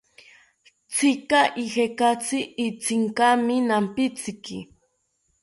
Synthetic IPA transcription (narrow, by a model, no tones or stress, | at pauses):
t͡sʰɪkaʔihekat͡sɪːt͡sɪŋkamɪnampɪt͡sɪkɪ